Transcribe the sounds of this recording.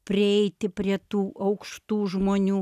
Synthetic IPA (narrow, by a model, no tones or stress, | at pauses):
pʲɾʲɪɛɪt̪ʲɪpʲɾʲiɛt̪uːʔɐʊkʃt̪uːʒmoːnʲuː